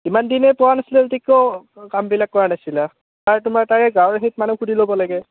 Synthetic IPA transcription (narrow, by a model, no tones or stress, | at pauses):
imandinɛpɔwanasilɛutikːokambilakːɔɹanasila | aɹtʊmaɹtaɹɛɡãwɹeɦit̚manuxudʱilobɔlaɡɛ